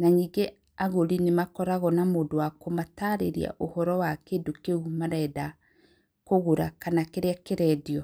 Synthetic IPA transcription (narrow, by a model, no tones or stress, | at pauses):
naniːɡe | aɣoɾinemakɔɾaɣɔnamoːdowakomataɾeɾḭa̰ʔohɔɾɔwakendokeumaɾɛda | koɣoɾakanakeɾeakeɾɛdiɔ